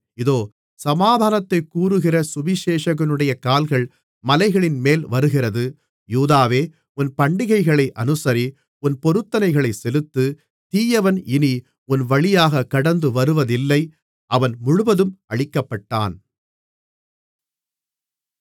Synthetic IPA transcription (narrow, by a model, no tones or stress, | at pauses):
ɪðoː | sɐmaːd̪ʱaːnɐt̪ːɐɪkːuːɾɯɣɪrɐsʊbɪʃeːʂɐɣɐnɯɽɐjɐkaːlɣɐɭ | mɐlɐɪɣɐɭɪnmeːlʋɐɾɯɣɪrɐðɯ | juːðaːʋeː | ʊnpɐɳɖɪɣɐɪɣɐɭɐɪʔɐnɯsɐɾi | ʊnpɔɾɯt̪ːɐnɐɪɣɐɭɐɪsɛlɯt̪ːɯ | t̪iːjɐʋɐnɪni | ʊnʋɐɭɪjaːɣɐkːɐɽɐnd̪ɯʋɐɾɯʋɐðɪlːɐɪ | ʔɐʋɐnmʊɻʊʋɐðɯmʔɐɻɪkːɐpːɐʈːa̰ːn